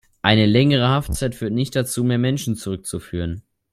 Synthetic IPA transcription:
ʔaɪnəlɛŋəʁ̞əhaft͡saɪtfyːɐtnɪçt̚d̥at͡suːmeːɐmɛnʃn̩t͡suʁʏk̚t͡sufyːʁ̞ən

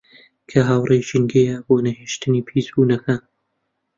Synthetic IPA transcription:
kʰɐɦaːwrejʃɨŋɡejaboːnɐheːʃt̪ʰɨnipʰiːzbuːnɐkʰa

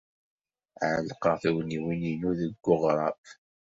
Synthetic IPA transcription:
ʕəlqəθiwniwininuðəɡːʊʁɾˤɑ̰p

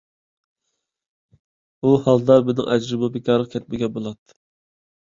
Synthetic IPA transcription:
uhɑlˠd̪ɑbɪnɪ̰ŋʔæd͡ʒɾɨmɨbekʰʲɑɾləqkʲʰɛt̪̚mɪɡʲɛbolˠɑt̪ː

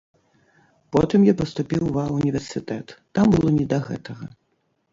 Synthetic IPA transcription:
pɔt̪ɨmjapɐst̪upʲiwvaunʲivʲɛrsɨt̪ɛt̪ːambɨlˠɔnʲid̪ɐɣɛ̰t̪ɐɣɐ

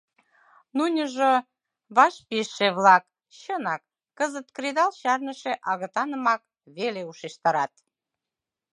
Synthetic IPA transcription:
nunʲə̆ʒo | βɑʃpiʃːeβlɑk | ɕənɑkː | əzət̪kred̪ɑlɕɑrnəʃeʔɑɣə̆t̪ɑnəmɑk̚ | βeleuʃiʃt̪ɑɾɑt̪

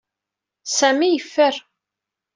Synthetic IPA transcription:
sæmijəfːəɾ

